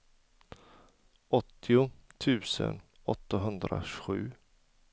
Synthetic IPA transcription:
ɔt̪ʰːɪʊt̪ʰʉ̟ːsə̰nɔt̪ːaɦɵnd̪ɾa̰ɧʉ̟ː

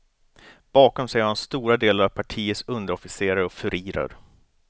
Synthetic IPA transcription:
b̥ɑːkɔmsɛjɾhanst̪uːɾad̪eːlaɾavpʰaʈʰiːət̪sɵnd̪əɾɔfɪseːɾaɾəɔfɵɾʔiːɾə̰ɾ

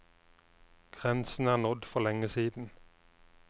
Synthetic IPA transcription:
ɡ̥ʁɛnsn̩æːʁnʊd̪fɔʁlɛŋəsiːd̪n̩

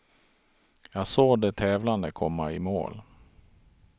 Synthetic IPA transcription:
jɑːɡsoːd̪ɛt̪ʰɛːvland̪əkʰɔmːaɪmo̰ːl

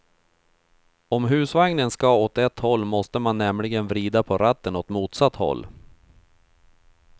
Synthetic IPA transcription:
ɔmɦʉ̟ːsvaŋnənskaot̪ɛt̪ːhɔlːmɔst̪əmanːɛmlɪɡənvɾiːd̪apʰɔɾat̪ːənɔt̪muːt̪sat̪ːhɔ̰lː

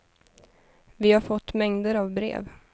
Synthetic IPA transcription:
vɪhaɾfɔt̪ːmɛŋd̪əɾavbɾḛːv

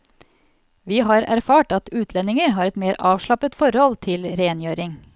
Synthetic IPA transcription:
ʋiːɦɑːɾæ̰ɾfɑːʈɑt̪ʉːt̪ʰlɛnɪŋəɾɦɑːɾɛt̪meːɾʔɑːʋʂɭɑpət̪fɔɾhɔlt̪ʰɪlɾeːnjøːɾɪŋ

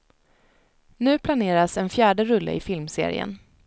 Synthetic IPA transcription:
nʉ̟ːpʰlaneːɾasɛnfjæːɖəɾɵlːə̰ɪfɪlmsḛːɾɪ̰ə̰n

